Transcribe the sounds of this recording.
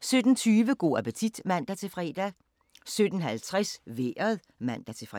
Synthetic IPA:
sød̥n̩t͡sʰyːʋəɡ̥o̝̰ːæpət͡sʰid̥mæn̰d̥æt͡sʰe̝fʁɛd̥æ | sød̥n̩ɦælt͡sʰʁasʋḛːɐðˠ | mæn̰d̥æt͡sʰe̝fʁ

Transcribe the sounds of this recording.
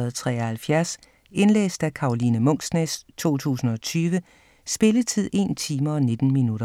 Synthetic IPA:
ð̩ˠt͡sʰʁɛ̰ːɒhælfjæɐs | e̝nlḛːsd̥ækʰɑ̈olinəmɔ̽ŋ̰snest͡sʰo̝̰ːt͡sʰṵːsn̩ɒ̽t͡sʰyːʋə | sb̥e̝lət͡sʰið̞̰ˠe̝nt͡sʰiːmɐɒ̽ne̝d̥n̩minuɾɐ

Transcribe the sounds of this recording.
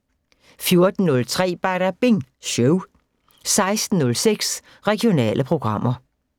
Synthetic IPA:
fjo̝ɐd̥n̩nɔ̽lt͡sʰʁɛ̰ːb̥æɾ̥æb̥eŋɕøʊ | sɑ̈ɪsd̥n̩nɔ̽lseɡ̥s | ʁɛɡ̥io̝nɛ̰ːlʔəpʰʁo̝ɡ̥ʁɑ̈m̰ɐ

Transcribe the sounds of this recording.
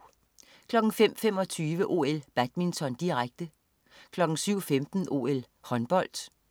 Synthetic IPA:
kʰlɒ̽ɡ̥ŋ̩fem̰fem̰ɒ̽t͡sʰyːʋəʔo̝ːel̰b̥æd̥mint͡sʰɒ̽nd̥iʁaɡ̥̚d̥ə | kʰlɒ̽ɡ̥ŋ̩syʊ̰femd̥n̩ʔo̝̰ːel | hɒ̽nb̥ɒ̽l̰d̥

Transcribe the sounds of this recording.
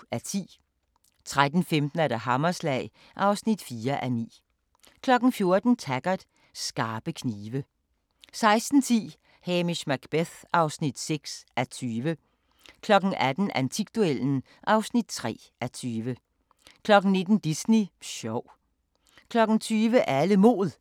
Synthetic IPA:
æt͡sʰḭː | t͡sʰʁad̥n̩femd̥n̩ædæɦɑmɐslɛɪ | ʔɑ̈ʊsnid̥fiːɐʔænḭː | kʰlɒ̽ɡ̥n̩fjo̝ɐd̥n̩t͡sʰæɡ̥ɐd̥ | sɡ̥ɑ̈ːb̥əkʰniːʋə | sɑ̈ɪsd̥n̩t͡sʰḭː | hemiɕmæɡ̥b̥eθɑ̈ʊsnid̥seɡ̥sæt͡sʰyːʋə | kʰlɒ̽ɡ̥n̩ʔæd̥n̩ænt͡sʰiɡ̥d̥uel̰n̩ | ʔɑ̈ʊsnid̥̚t͡sʰʁɛ̰ː | ʔæt͡sʰyːʋə | kʰlɒ̽ɡ̥n̩ne̝d̥n̩d̥isniɕɒʊ̰ | kʰlɒ̽ɡ̥n̩t͡sʰyːʋəʔæləmo̝̰ːð̩ˠ

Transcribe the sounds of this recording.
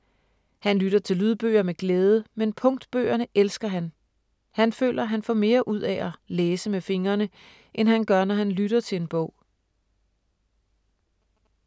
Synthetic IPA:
hænlyɾ̥ɐt͡sʰe̝lyð̞ˠb̥ø̰ːɐmeɡ̥leːð̞ˠəmenpʰɔ̽ŋd̥b̥ø̰ːɐnəʔelsɡ̥ɐɦæn | hænfø̰ːlʔɐɦænfɒ̰me̝ːɐʔuð̞̰ˠɛʔæleːsəmefe̝ŋɐnə | ʔenɦænɡ̥ɶɐnɒɦænlyɾ̥ɐt͡sʰe̝le̝nb̥ɔ̽ʊ̰

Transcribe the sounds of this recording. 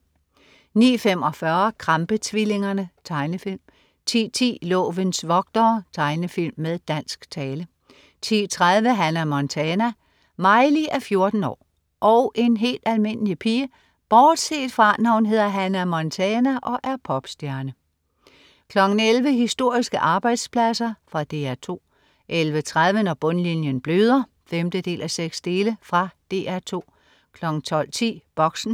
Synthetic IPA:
nḭːfem̰ɒ̽fɶɐkʰʁɑmb̥ət͡sʰʋile̝ŋɐnət͡sʰɑ̈ɪnəfilm | t͡sʰḭːt͡sʰḭːlɔ̰ːʋənsʋɒ̽ɡ̥̚d̥ɒːt͡sʰɑ̈ɪnəfil̰mːeðˠd̥æn̰sɡ̥t͡sʰɛːlə | t͡sʰiːt͡sʰʁað̞ˠʋəɦænæmɒnt͡sʰɛːnæ | mɑ̈ɪliʔæɐfjo̝ɐd̥n̩ɒ̰ː | ʔɒ̽ʊʔe̝nɦe̝̰ːld̥ælme̝n̰əlipʰiːə | b̥ɒːd̥se̝̰ːd̥fʁɑ̈nɑʊn̩ɦe̝ð̞̰ˠɐɦænæɐmɒnt͡sʰɛːnæʔɒ̽ʔæɐpʰɒ̽b̥sd̥jæɐnə | kʰlɒ̽ɡ̥n̩elʋəɦisd̥o̝ɐ̰isɡ̥əʔɑ̈ːb̥ɑ̈ɪ̰d̥spʰlæsɐfʁɑ̈d̥e̝̰ːæɐt͡sʰo̝̰ː | ʔelʋət͡sʰʁað̞ˠʋənɒb̥ɔ̽nlinjənb̥løːð̞ˠɐ | femd̥əd̥e̝̰ːlʔæseɡ̥sd̥e̝ːləfʁɑ̈d̥e̝ːæɐt͡sʰo̝̰ː | kʰlɒ̽ɡ̥n̩t͡sʰɒ̽l̰t͡sʰḭːb̥ɒ̽ɡ̥sn̩

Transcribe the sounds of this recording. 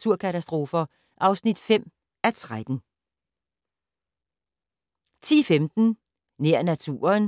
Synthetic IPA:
t͡sʰuɐ̰kʰæt͡sʰæsd̥ʁo̝ːfɐ | ʔɑ̈ʊsnid̥fem̰ | æt͡sʰʁad̥n̩ | t͡sʰḭːfemd̥n̩ | neɐ̰næt͡sʰṵːɐn

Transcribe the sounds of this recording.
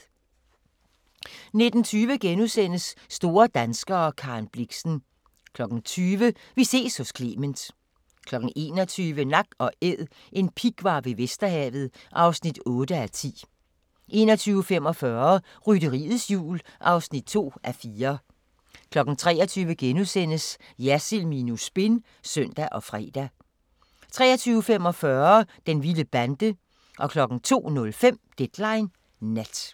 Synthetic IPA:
ne̝d̥n̩t͡sʰyːʋəɡ̥enusen̰əsːd̥o̝ːɐd̥ænsɡ̥ɐːkʰɑ̈nb̥liɡ̥sn̩ | kʰlɒ̽ɡ̥n̩t͡sʰyːʋə | ʋise̝̰ːshɔ̽skʰle̝̰ːmənd̥ | kʰlɒ̽ɡ̥n̩ʔe̝ːnɒ̽t͡sʰyːʋənɑ̈ɡ̥̚ɒ̽eð̰ˠ | ʔe̝npʰiɡ̥ʋɑ̈ʋe̝ʋesd̥ɐhɛ̰ːʋð̞̩ˠʔɑ̈ʊsnid̥ɔ̽ːdəæt͡sʰḭː | ʔe̝ːnɒt͡sʰyːʊəfem̰ɒ̽fɶɐ | ʁyɾəʁḭːð̩ˠsjṵːlʔɑ̈ʊsnid̥̚t͡sʰo̝̰ːʔæfiːɐ | kʰlɒ̽ɡ̥ŋ̩t͡sʰʁɛ̰ːɒt͡sʰyːʋəɡ̥enusen̰əs | jæsilminusb̥e̝n | sœn̰d̥æʔɒ̽fʁɛ̰ːd̥æ | t͡sʰʁɛ̰ːɐt͡sʰyːʊəfem̰ɒ̽fɶɐd̥enʋiləb̥ænd̥ə | ʔɒ̽kʰlɒ̽ɡ̥n̩t͡sʰo̝̰ːnɔ̽lfem̰d̥ed̥lɑ̈ɪnː | æd̥

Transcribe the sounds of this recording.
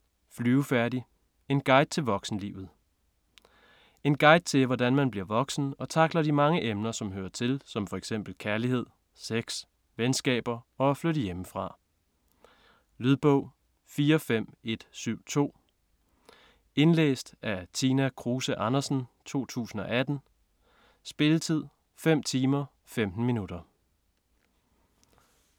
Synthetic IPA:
flyːʊfæɐdi | e̝nɡ̥ɑ̈ɪd̥̚t͡sʰe̝lʋɒ̽ɡ̥sn̩lḭːʊð̞̩ˠ | e̝nɡ̥ɑ̈ɪ̰d̥̚t͡sʰe̝lʋɒdænmænb̥liɐʋɒ̽ɡ̥sn̩ɒ̽t͡sʰɑ̈ɡ̥lɐd̥imɑ̈ŋəʔemnɐsɒ̽mɦøːɐt͡sʰe̝lsɒ̽mfɒ̽eɡ̥sem̰b̥l̩kʰæɐlihe̝ð̞̰ˠ | seɡ̥s | ʋensɡ̥ɛ̰ːb̥ɐɒ̽fløɾəjeməfʁɑ̈ | lyð̞ˠb̥ɔʊ̰ | fiːɐfem̰e̝d̥syʊ̰t͡sʰo̝̰ː | e̝nlḛːsd̥ʔæɐt͡sʰinækʰʁuːsəʔɑ̈nɐsn̩t͡sʰo̝̰ːt͡sʰṵːsn̩ɒ̽ʔæd̥n̩ | sb̥e̝lət͡sʰið̞̰ˠ | fem̰t͡sʰiːmɐ | femd̥n̩minud̥ɐ

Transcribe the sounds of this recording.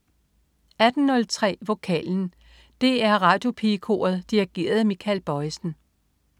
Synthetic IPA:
æd̥n̩nɔ̽lt͡sʰʁɛ̰ːʋo̝kʰɛ̰ːln̩ | d̥e̝æɐʁɑ̈ːd̥jo̝pʰikʰo̝̰ːɐð̩ˠd̥iʁiɡ̥e̝̰ːɐð̞̩ˠmikʰælb̥ɒ̽ɪsn̩

